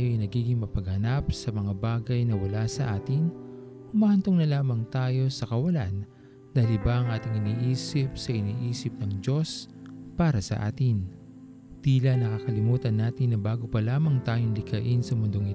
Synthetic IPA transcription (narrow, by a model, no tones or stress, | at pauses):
joʔɐjnɐɡiːɡɪŋmɐpɐɡ̚hɐnap̚sɐmɐŋabaːɡɐjnɐwɐlasɐʔaːt̪ɪnʊmahɐnt̪oŋnɐlaːmɐŋt̪aːjo̞sɐkɐwɐlan | d̪aːhɪɪlbɐʔɐŋʔaːt̪ɪŋɪniːʔiːsɪp̚sɐʔɪniːʔiːsɪp̚nɐŋd͡ʒo̞spaːɾɐsɐ̰ʔa̰ːt̪ɪn | t̪iːlɐnɐkakɐlɪmuːt̪ɐnːaːt̪ɪnːɐbaːɡopɐlaːmɐŋt̪aːjoŋlɪkɐʔɪnsɐmʊnd̪o̞ŋɪt̪